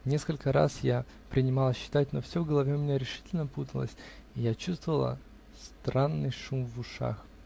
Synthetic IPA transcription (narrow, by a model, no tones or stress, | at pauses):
nʲe̞skəlʲkəɾa̰sja | pɾʲɪnʲɪmalˠəɕːɪ̥t̪at̚ʲnofsʲovɡəlˠɐvʲemʲɪnʲaɾʲɪʂɨ̥tʲɪlʲnəput̪əlˠə̰sʲɪjat͡ɕust̪vəvəlˠə̰ | st̪ɾanːɨjʂumvʊʂa̰x